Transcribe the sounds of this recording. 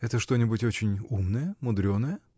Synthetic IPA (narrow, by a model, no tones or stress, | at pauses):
ɛt̪əʂt̪o̞nʲɪbʊtʲo̞t͡ɕɪnʲumnəjəmʊd̪ɾʲo̞nːəjə